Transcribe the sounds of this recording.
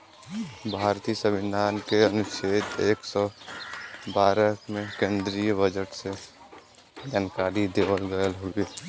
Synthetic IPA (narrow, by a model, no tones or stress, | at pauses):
bʱaːɾt̪isəʋɪd̪ʱaːnkeənʊʃeːt̪eːksɔ | baːɾəmẽkẽːnd̪ɾijəbʱəd͡ʒəʈse | d͡ʒaːnkaːɾid̪eːwəlɡəəlɦui